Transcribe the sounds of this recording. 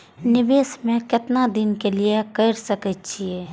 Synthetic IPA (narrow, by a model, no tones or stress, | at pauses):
nɪbeːsmẽkɪt̪nad̪ɪnkeliekəɾsəkət̪̚t͡ʃʰieː